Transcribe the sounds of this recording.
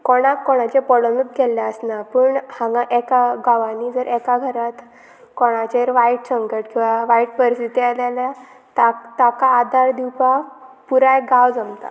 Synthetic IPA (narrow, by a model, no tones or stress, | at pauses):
kɔɽ̃akːɔɽ̃at͡ɕepɔɽonət̪̚ɡɛljaəsnapəɳhãŋɡaʔɛkaɡaʋaniːd͡zəɾʔɛkaɡʱəɾat̪ | kɔɽ̃at͡ɕeɾʋaiʈɕəŋkəʈkĩw̃ʋaʋaiʈ̚pəɾsit̪ialala | t̪at̪akaːd̪ʱaɾd̪iwpapuɾaeɡawd͡zəmt̪a̰